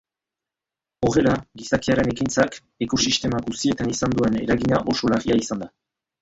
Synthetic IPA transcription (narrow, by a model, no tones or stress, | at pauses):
o̞re̞laɡisakiaɾe̞ne̞kint͡sak | e̞ko̞sist̪e̞maɡusie̞t̪anisand̪ue̞ne̞̰ɾaɣiɲaʔo̞so̞lariaisand̪a